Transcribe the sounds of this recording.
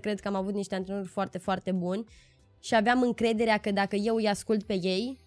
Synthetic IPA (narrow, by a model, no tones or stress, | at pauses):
kɾe̞d̪̚kəamavut̪niʃt̪e̞ant̪ɾenorʲfoart̪e̞foart̪e̞bunʲ | ʃiaveamɨŋkɾe̞d̪e̞ɾeakəd̪akəje̞wɨjaskult̪̚pe̞je̞j